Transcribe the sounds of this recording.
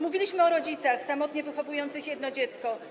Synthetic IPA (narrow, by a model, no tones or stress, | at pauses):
muvʲilʲiɕmɘɔɾɔd͡ʑit̪saxsamɔt̪ɲɛvɘxɔvujɔnt̪sɘxjɛd̪nɔd͡ʑɛt̪skɔ